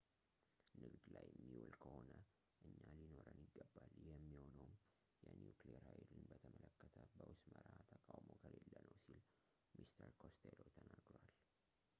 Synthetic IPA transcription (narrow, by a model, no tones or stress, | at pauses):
nɨɡd̪lajɛmːiwulkʰəhonə | ʔɨɲːalino̞ɾəniɡːəbːaljɛmːiho̞nəwm | jɛnjukliɛɾhajlɨnbət̪ʰəmələkːət̪ʰəbəwʊsməɾat̪ʰəkʼawmokʰəlelːənəwsil | mist̪ʰəɾkʰost̪ʰelot̪ʰənaɡɾwal